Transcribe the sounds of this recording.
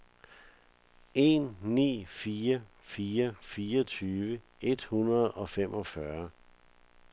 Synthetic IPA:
e̝̰ːnːḭːfiːɐ | fiːɐfiːɒt͡sʰyːʋə | e̝d̥hunɐð̩ˠɒ̽fem̰ʔɒ̽fɶɐ

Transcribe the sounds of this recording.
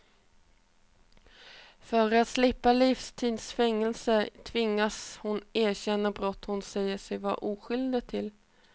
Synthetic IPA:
fœɾat̪slɪpːalɪfst̪ʰiːd̪sfɛŋːɛlsət̪ʰvɪŋːashʊneːɕɛnːabɾɔt̪ːhʊnsɛjːəʂɛjvɑ̰ʔuːɧʏld̪ət̪ʰɪl

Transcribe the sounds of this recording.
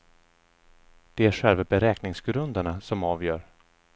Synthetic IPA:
d̪̥ɛæɾɧɛlvabɛɾɛːknɪŋsɡɾɵnd̪aɳasɔmɑːvjœːɾ

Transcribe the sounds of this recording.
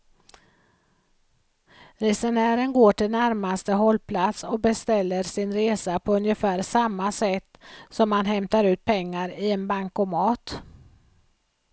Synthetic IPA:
ɾɛsəɳæːɾənɡoːʈɪlnæɾmast̪əɦɔlːpʰlat̪sɔk̚bɛst̪ɛlːəɾsɪnɾeːsapʰɔɵnjəfæːɾsamːasɛt̪ːsɔmːanɦɛmt̪aɾʉ̟ːt̪̚pʰɛŋːaɾɪɛnbaŋkɔmɑːt̪

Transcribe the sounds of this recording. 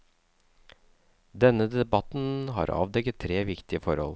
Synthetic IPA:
d̪ɛnəd̪ɛbɑt̪n̩ɦɑ̰ːɾɑ̰ːʋd̪ɛɡət̪ʰːɾeːʋɪkt̪ɪəfɔɾhɔ̰l

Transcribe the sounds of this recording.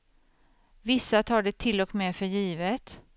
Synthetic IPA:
vɪsːat̪ʰɑːɖɛt̪ʰɪlɔkmɛfœɾjiːvət̪

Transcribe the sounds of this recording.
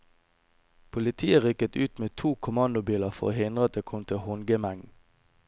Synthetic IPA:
pʰʊlɪt̪ʰiːəʁʏkət̪ʉːt̪meːt̪ʰuːkʰʊmɑnd̪ʊbiːləʁfɔ̰ʁo̰ːhɪnd̪ʁəɑt̪̚d̪eːkʰɔmt̪ʰɪhʊŋɡəmæŋn

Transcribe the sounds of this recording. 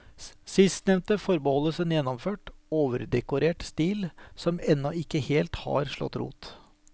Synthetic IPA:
sɪst̪nɛʋnt̪əfɔɾbəhɔlːəsənjɛnːɔmføːʈoːʋəɾd̪ɛkʊɾeːʈst̪iːlsɔmɛnːɔɪkːəheːlt̪hɑ̰ɾʂɭɔ̰t̪ːɾṵːt̪

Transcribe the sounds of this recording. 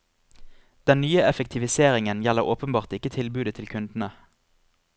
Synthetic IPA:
d̪̥ɛnnyːəʔɛfək̚t̪ʰɪʋɪseːʁɪŋənjɛləʁoːpənbɑːʁt̪ɪkət̪ʰɪlbʉːd̪ət̪ʰɪlkʰʉnd̪n̩ə

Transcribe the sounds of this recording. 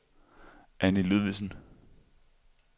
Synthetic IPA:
ʔænilyðˠʋisn̩

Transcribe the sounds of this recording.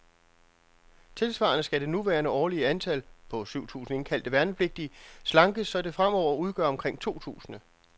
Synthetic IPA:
t͡sʰe̝lsʋɑ̰̈ːnəsɡ̥æɾ̥e̝nuʋæːɐnəʔɒːliəænt͡sʰælpʰɒ̽syʊ̰t͡sʰṵːsn̩e̝nkʰæl̰d̥əʋæɐnəpʰle̝ɡ̥̚d̥islɑ̈ŋɡ̥əsːɒ̽d̥e̝fʁam̰ɒʊ̰ɐuð̞ˠɡ̥ɶɐɒ̽mkʰʁeŋ̰t͡sʰo̝̰ːt͡sʰṵːsn̩ə

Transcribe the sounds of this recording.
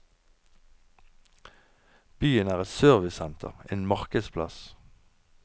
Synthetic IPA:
b̥yːənæːʁɛt̪søːʁʋɪsɛnt̪ʰə̰ʁḛːnmɑʁkəspʰlɑs

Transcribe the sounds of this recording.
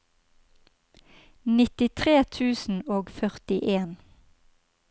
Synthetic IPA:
nɪt̪ɪt̪ʰʁeːt̪ʰʉːsn̩oːɡfœʁt̪ɪʔeːn

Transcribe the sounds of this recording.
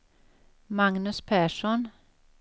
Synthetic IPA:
mɑŋnʉspʰæːʃɔn

